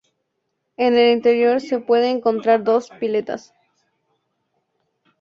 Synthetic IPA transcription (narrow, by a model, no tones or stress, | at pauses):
e̞ne̞lint̪e̞ɾjo̞ɾse̞pwe̞ðeːŋko̞nt̪ɾaɾðo̞spile̞t̪a̰s